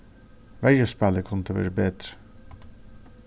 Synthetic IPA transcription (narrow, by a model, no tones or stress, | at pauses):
ʋæjəspæləkʰʊnt̪ʰəʋḛːɾəbeːd̪ɾə̥